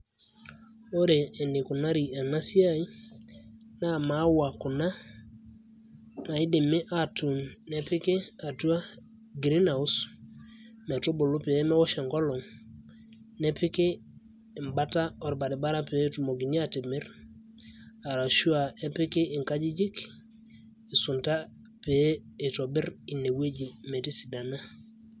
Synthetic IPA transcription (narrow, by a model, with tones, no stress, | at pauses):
o˦ɾeː˨nɪ˨kʊ˨na˦ɾi˨a˨na˦si˦a˦i˦ | na˦˨ma˨˦wa˨kʊ˨na˦ | na˨ɪ˦de˨mɪ˦ʔa˨tu˨nnɛ˨pɪ˦ke˦a˨tu˦a˦ | ɡɾɪ˦na˨ʊ˦s | mɛ˨to˦bo˨lo˦pɛ˦mɛ˦wɔ˦ʃa˨ŋɡɔ˦lɔ˨ŋ | nɛ˦pɪ˦kɪː˦˨ | mba˦ta˦ɔ˨ɾba˨dɪ˨ba˦ɾa˦pe˨˦tu˨mo˨ɡi˨ni˦a˨ti˨mɪ˦ɾ | a˨ɾa˨ʃu˦a˨ɛ˦pɪ˦kɪ˦ʔɪ˨ŋka˦d͡ʒi˦d͡ʒi˦k | ɪ˨sʊ˨nta˦ | peː˨˦˨tɔ˨bɪ˦ɾi˨ne˨we˦d͡ʒi˨mɛ˨ti˦si˨da˨na˦